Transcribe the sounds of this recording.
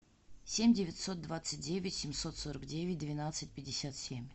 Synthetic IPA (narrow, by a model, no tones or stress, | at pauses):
sʲemʲdʲɪvʲɪt̪so̞t̪̚d̪vat̪sɨt̚ʲdʲevʲɪtʲsʲɪmʲso̞t̪soɾəkdʲevʲɪt̚ʲd̪vʲɪnat̪sɨt̚ʲpʲɪdʲːɪsʲat̪sʲemʲ